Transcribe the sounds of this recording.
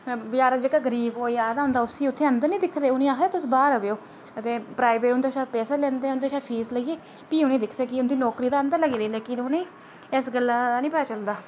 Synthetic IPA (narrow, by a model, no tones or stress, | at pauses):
bjaːɾd͡ʒekaːɡəɾiːboːiːaːd̪aːɦʊ̃ːnd̪aːʊsĩːʊt̪ʰːeːənd̪əɾnĩːd̪ɪkʰːd̪eːʊnĩːaːkʰd̪eːt̪ʊsbaːɾəʋeːoː | ət̪eːpɾaːɪbeːʈʊnd̪eːʃaːpɛːseːlɛ̃ːnd̪eːʊnd̪eːʃaːpʰiːsləɡiːeː | piːuːnĩːd̪ɪkʰːd̪eːkɪʊnd̪iːnɔːkɾiːd̪aːənd̪əɾləɡiːd̪eːleːkɪnnĩː | ɪsɡəlːaːanĩːpəaːt͡ʃəld̪aː